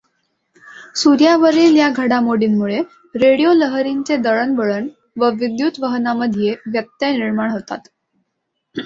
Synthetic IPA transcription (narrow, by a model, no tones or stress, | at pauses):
suɾjaʋəɾiːljaɡʱəɽamoɽiːnmuɭe | ɾeɽijoləɦɾint͡sed̪əɭənbəɭəɳ | ʋəʋid̪jut̪ʋəɦənaməd̪ʱijeʋjət̪jəniɾmaɳɦot̪a̰t̪